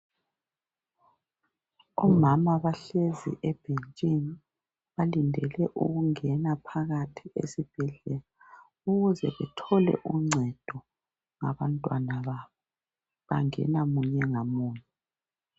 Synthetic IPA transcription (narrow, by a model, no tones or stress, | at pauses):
ɔmamaβaɬezḭʔɛb̥ʱent͡ʃʼini | βalindʱɛlɛʔṵɣuŋɛnapʰaɣatʰiḛsib̥ʱiɮɛla | uɣuzɛ̰βɛtʰɔlɛ̰ʔuŋ͡ǀʱɛd̥ʱɔ | ŋa̰βantʼwanaβaːβɔ | βa̰ŋɛ̰namuɲɛŋamuːɲɛ